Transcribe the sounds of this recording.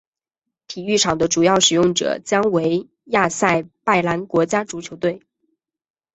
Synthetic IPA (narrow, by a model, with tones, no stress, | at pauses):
t̪ʰi˨˩y˥˩ʈ͡ʂʰɑ˨˩ŋd̪ə˦ʈ͡ʂu˨˩jɑ˥˩ʊʂɻ̩˨˩jʊ˥˩ŋʈ͡ʂɤ̰˨˩t͡ɕjɑ˥ŋwe˧˥ɪ | ja˥˧sa˥˩˧ɪpa˥˩ɪla˧˥nkwɔ˧˥t͡ɕja˥ʈ͡ʂu˧˥t͡ɕʰjo˧˥ʊt̪we˥˩ɪ